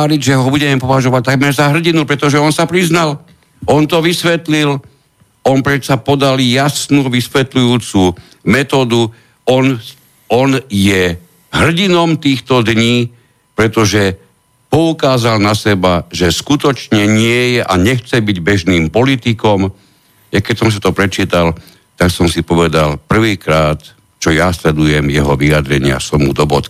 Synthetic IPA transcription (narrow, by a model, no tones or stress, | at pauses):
aɾiɟʒɛɦɔbuɟɛmɛpɔʋaʒɔʋac̚t̪aɡmɛɾzaɦr̩ɟinupɾɛt̪ɔʒɛɔnsapɾiznal | ʔɔnt̪ɔʋisʋɛt̪lil | ɔnpɾɛt̪sapɔd̪aljasnuːʋisʋɛt̪lujuːt͡su | mɛt̪ɔːd̪u | ɔn | ɔnjɛ | ɦr̩ɟinɔmt̪iːxt̪ɔd̪ɲiː | pɾɛt̪ɔʒɛ | pɔukaːzalnasɛbaʒɛskut̪ɔt͡ʃɲɛɲɪɛjɛʔaɲɛxt͡sɛbiɟbɛʒniːmpɔlit̪ikɔm | jakɛcsɔms̬ḁt̪ɔpɾɛt͡ʃiːt̪al | t̪aksɔmsipɔʋɛd̪alpr̩ʋiːkɾaːt̪ | t͡ʃɔjaslɛd̪ujɛmjɛɦɔʋiad̪ɾɛɲɪa̰sɔmːṵd̪ɔbɔt̪